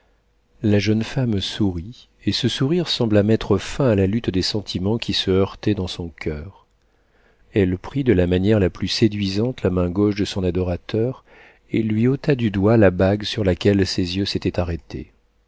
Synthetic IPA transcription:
laʒənfamsuʁi | esəsuʁiʁsɑ̃blamɛt̪χəfɛ̃alalyt̪d̪esɑ̃t̪ʰimɑ̃kʲisəœʁt̪ɛd̪ɑ̃sɔ̃kʲʰœːʁ | ɛlpχid̪əlamanjɛʁlaplysed̪ɥizɑ̃t̪lamɛ̃ɡoʃd̪əsɔ̃nad̪ɔʁat̪ʰœʁ | elɥiot̪ad̪yd̪walabaɡsyʁlakʲɛlsezjøset̪ɛt̪aʁɛt̪ʰḛ

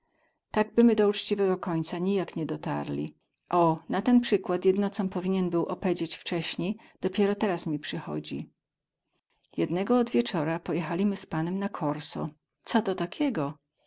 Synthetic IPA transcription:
t̪aɡ̚bɘmɘd̪ɔut͡ʂt͡ɕivɛɡɔkɔɲt̪saɲijakɲɛd̪ɔt̪a̰ɾlʲḭ | ʔɔnat̪ɛnpʂɘkwat̪jɛd̪nɔt̪sɔmpɔvʲiɲɛnbɘwʔɔpɛd͡ʑet͡ɕft͡ʂɛɕɲej | d̪̥ɔpʲjɛɾɔt̪ɛɾasmʲipʂɘxɔ̰d͡ʑḭ | jɛd̪nɛɡɔːd̪vʲjɛt͡ʂɔɾapɔjɛxalʲimɘspanɛmnakʰɔɾsɔ̰ | t̪sɔt̪ɔt̪akʲɛɡɔ

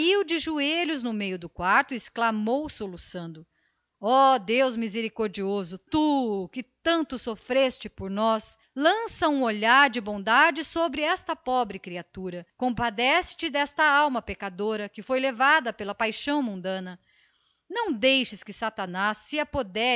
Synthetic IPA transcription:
iwd͡ʒɪʒueʎʊznʊmejʊd̪ʊkwaɾt̪ʊɪsklamowsolusɐ̃nd̪ʊ | ɔd̪ewzmizeɾikoɾd͡ʒiozʊt̪ukɪt̪ɐ̃nt̪ʊsofɾest͡ʃɪpoɾnɔs | lɐ̃sɐũoʎaɾd͡ʒɪbõd̪ad͡ʒɪsobɾɪɛst̪ɐpɔbɾɪkɾiat̪uɾɐkõpad̪ɛsɪ̥t͡ʃɪd̪ɛst̪ɐawmɐpekad̪oɾɐkɪfojlevad̪ɐpelɐpajʃɐ̃w̃mũnd̪ɐ̃nɐ | nɐ̃w̃d̪ejʃɪskɪsat̪ɐnasːɪapod̪ɛ

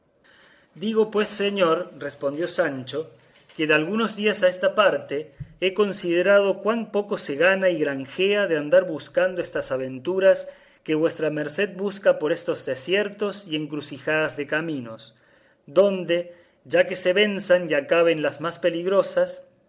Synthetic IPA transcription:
d̪iɣo̞pwe̞sːeɲo̞ɾrespond̪jo̞sant͡ʃo̞ | keðealɣuno̞zðiasaest̪apaɾt̪e̞eko̞nsiðeɾað̞o̞kwampo̞ko̞se̞ɣanaiɣɾaŋxeaðeand̪aɾβuskand̪oest̪asaβ̞e̞nt̪uɾas | ke̞βwe̞st̪ɾame̞ɾse̞ð̚buskapo̞ɾe̞st̪o̞zðesje̞ɾt̪o̞sie̞ŋkɾusixaðazðe̞kamino̞s | d̪o̞nd̪e̞ | ʒake̞se̞βe̞nsanjakaβ̞enlazmaspe̞liɣɾo̞sas

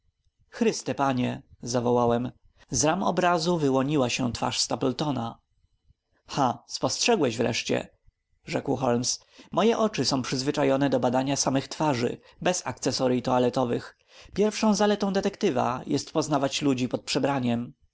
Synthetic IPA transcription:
xɾɘst̪ɛpaɲɛzavɔwawɛm | zɾamɔ̰bɾazuvɘwɔɲiwaɕɛ̰̃t̪fa̰ʂst̪apɛlt̪ɔna | xaspɔstʂɛɡwɛɕvɾɛ̰ʂt͡ɕɛ̰ | ʐɛkwxɔlms | mɔjɛʔɔt͡ʂɘsɔ̃w̃pʂɘzvɘt͡ʂajɔnɛd̪ɔbad̪aɲasamɘxt̪faʐɘ̰ | bɛsa̰k̚t̪sɛsɔɾit̪ɔalɛt̪ɔvɘx | pʲjɛɾfʂɔ̃w̃zalɛt̪ɔ̃w̃d̪ɛt̪ɛkt̪ɘva̰jɛst̪pɔznavat͡ɕlud͡ʑipɔt̪̚pʂɛbɾaɲɛm

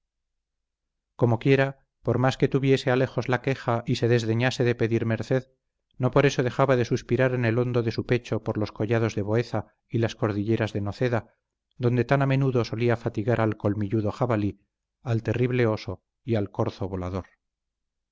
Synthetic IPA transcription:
ko̞mo̞kje̞ɾa | po̞ɾmaske̞t̪uβje̞seale̞xo̞zlake̞xaʔise̞ðe̞zðe̞ɲase̞ðe̞pe̞ðiɾme̞ɾθe̞ð | no̞po̞ɾe̞so̞ð̞e̞xaβaðe̞suspiɾaɾe̞nelo̞nd̪o̞ðe̞supe̞t͡ʃo̞poɾlo̞sko̞ʝað̞o̞zðe̞βo̞e̞θa | ilasko̞ɾðiʎe̞ɾazðeno̞θe̞ða | ðo̞nd̪e̞t̪aname̞nuðo̞so̞liafat̪iɣaɾalko̞lmiʎuðo̞xaβali | alt̪e̞riβle̞o̞so | ialko̞ɾθoβolaðo̞ɾ

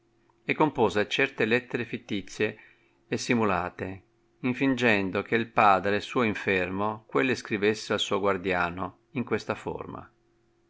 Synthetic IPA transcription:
ɛkːompoːzet͡ʃɛrt̪elɛt̪ːeɾefit̪ːit̪sːjeː | sːimulaːt̪e | iɱfind͡ʒɛnd̪okeilpaːd̪ɾesuːoiɱfɛrmokwelːeskɾivesːealsuːoɡward̪jaːno | iŋkwest̪afo̰rma̰

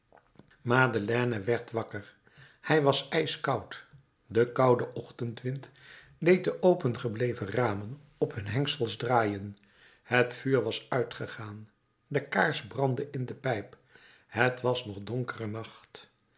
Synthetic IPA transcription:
maːdəlɛːnəʋɛɹtʋɑkəɹ | hɛjʋɑsɛjskɑwt | dəkɑwdəʔɔχtəntʋɪnt | dejt̚dəʔowpənχəblejvəraːmən | ɔpɦɵnɦɛŋksəlˠzdraːjən | hətfyːɹʋɑsœɥtχəχaːn | dəkaːɹzbrɑndəʔɪndəpɛjp | ɦətʋɑsnɔχdɔŋkərənɑχt

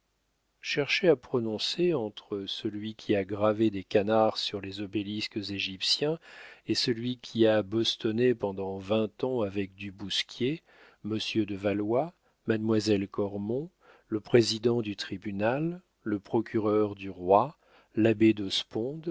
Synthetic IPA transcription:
ʃɛʁʃeapχɔnɔ̃seɑ̃t̪χəsəlɥikʲʰiaɡʁaved̪ekanaʁsyʁlezɔbeliskəzeʒipsjɛ̃esəlɥikʲʰiabɔst̪ɔnepɑ̃d̪ɑ̃vɛ̃t̪ɑ̃avɛk̚d̪ybuskʲje | məsjød̪əvalwa | mad̪mwazɛlkɔʁmɔ̃ | ləpχezid̪ɑ̃d̪yt̪χibynalː | əpχɔkʰʲyʁœʁd̪yʁwa | labed̪ɔspɔ̃d̪

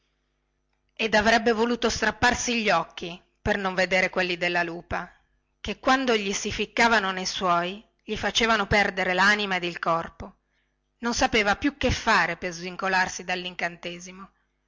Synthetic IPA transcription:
ed̪avɾɛbːevoluːt̪ost̪ɾapːarsiʎːɔkːi | pernoɱved̪eːɾekwelːid̪elːaluːpa | kekːwand̪oʎisifikːaːvanonejswɔːj | ʎifat͡ʃeːvanopɛrd̪eɾelaːnimaed̪ilkɔrpo | nonsapeːvapjukːefːaːɾepezviŋkolarsid̪alːiŋkant̪eːzimo

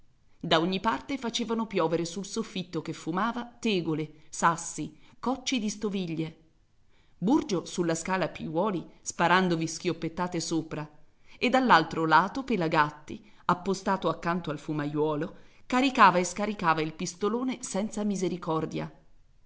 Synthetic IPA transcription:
d̪aoɲːipart̪efat͡ʃeːvanopjɔːveɾesulsofːit̪ːokefːumaːvat̪eːɡolesasːikɔt͡ʃːid̪ist̪oviʎːe | burd͡ʒosulːaskaːlapiwɔːlispaɾand̪ovisk̟jopːet̪ːaːt̪esoːpɾa | ed̪ːalːalt̪ɾolaːt̪opelaɡat̪ːi | apːost̪aːt̪oakːant̪oalfumajwɔːlokaɾikaːvaeskaɾikaːvailpist̪oloːnesɛnt̪samizeɾikɔrd̪ja̰

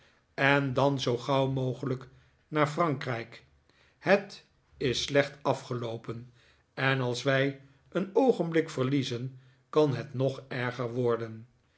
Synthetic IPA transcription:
ɛndɑnzowχɑwmowχələk | naːɹfrɑŋkrɛjk | hət | ɪsːlɛχtɑfχəlowpən | ɛnɑlˠsʋɛj | ənowχənblɪkfəɹlizən | kɑnɦətnɔχɛɹχəɹʋɔɹdən

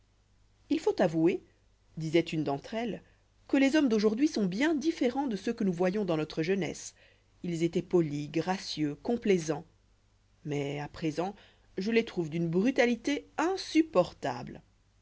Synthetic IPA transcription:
ilfot̪avue | d̪izɛt̪ynd̪ɑ̃t̪χɛl | kəlezɔmd̪oʒuʁd̪ɥisɔ̃bjɛ̃d̪ifeʁɑ̃d̪əsəkənuvwajɔ̃d̪ɑ̃nɔt̪χəʒənɛ̰s | ilzet̪ɛpɔliɡʁasjøkɔ̃plɛzɑ̃ | mɛapχezɑ̃ | ʒəlet̪χuvd̪ynbʁyt̪alit̪eɛ̃sypɔʁt̪a̰bl

